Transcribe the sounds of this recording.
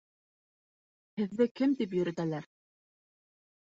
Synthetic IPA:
hɘ̆ðːɘkɘmt̪ip̬jɵ̆ɾɘ̆t̪ælæɾ

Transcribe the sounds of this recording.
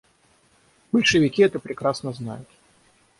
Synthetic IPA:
bəlʲʂɨvʲɪkʲiɛt̪əpɾʲɪkɾasnəzna̰jʊt̪

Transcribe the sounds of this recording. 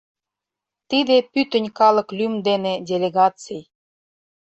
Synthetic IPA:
t̪id̪epyt̪ə̆nʲkɑlə̆klʲymd̪enedʲelʲeɡɑt͡sij

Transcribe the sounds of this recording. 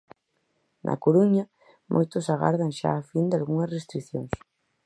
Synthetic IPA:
nʔa̰koɾuɲa | mʔojt̪osaɣa̰ɾðaŋʃa̰ːfind̪alɣuŋasrest̪ɾikθjoŋs

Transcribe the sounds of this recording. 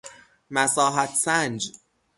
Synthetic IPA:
mæsɒːɦæt̪ʰsænd͡ʒ

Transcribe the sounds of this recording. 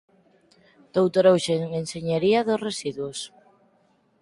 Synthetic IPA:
d̪̥owt̪oɾowʃeŋenseɲaɾiɐðʊsresiðwʊs

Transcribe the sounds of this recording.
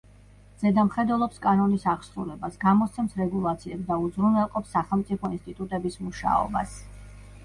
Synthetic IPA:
z̥ɛd̪amχɛd̪ɛlˠɔpskʼanɔnisaʁsɾuɾɛbasɡamɔst̪sʰɛmsɾɛɡulˠat̪sʰiɛbsd̪auzɾunɛlˠqʼɔpsːaχɛlˠmt̪sʼipʰɔinst̪ʼit̪ʼut̪ʼɛbismuʃa̰ɔ̰bas

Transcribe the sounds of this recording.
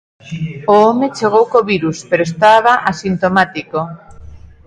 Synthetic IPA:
oomet͡ʃeɣ̞owkoβiɾuspeɾoest̪aβ̞aʔasint̪omat̪iko

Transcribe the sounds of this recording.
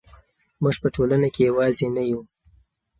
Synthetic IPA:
mʊʒpəʈolanakejawɑzenaju

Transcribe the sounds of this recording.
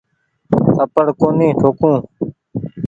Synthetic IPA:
səpəɽkoːnĩːʈʰoːkũː

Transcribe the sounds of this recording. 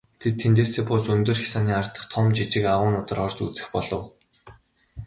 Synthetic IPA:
t̪ʰet̪ʰːent̪eːseːpʊːt͡sɵnt̪ɵ̆rxʲisaniːart̪ə̥̆χt̪ʰɔmt͡ɕit͡ɕɪ̆kaʁʊːnʊːt̪ə̆rɔrt͡sṵt͡sɘ̆xpɔɮɞ̆w

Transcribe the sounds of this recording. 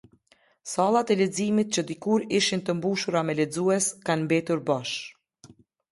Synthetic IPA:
salˠat̪ɛlɛd͡zimit̪̚t͡ɕəd̪ikuɾiʃint̪əmbuʃuɾamɛlɛd͡zuɛskanmbɛt̪uɾbɔʃ

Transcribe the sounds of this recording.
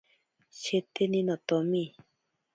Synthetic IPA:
ʃʰet̪enĩnãt̪omĩ

